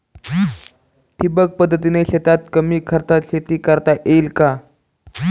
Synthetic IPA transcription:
ʈʰibək̚pəd̪ʱːət̪̬ineɕet̪at̪kəmiːkʰəɾt̪aɕet̪iːkəɾt̪aʔelka

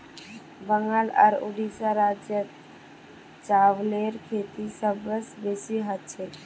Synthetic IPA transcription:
bəŋɡələ̰ɾʊ̰ɖisaɾaːd͡ʒjət̪ | t͡ʃaːʋleɾkʰeːt̪isəbɾəsbesiɦət̪̚t͡ʃʰe

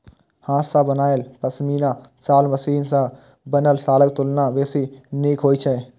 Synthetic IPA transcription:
hãːsabənaːelpəsmiːna | saːlməsiːnsã | bənəlsaːlək̚t̪ʊlnaʋeːsineːkɦoːit͡ʃʰɛ

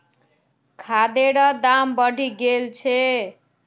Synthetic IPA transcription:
kʰad̪eɾʌd̪ambʌɽʱiɡelt͡ʃʰe

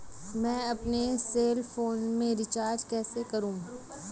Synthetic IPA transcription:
mɛ̃ːɐpneseːlfoːnmẽɾɪt͡ʃaːɾd͡ʒkɛːsekɐɾũː

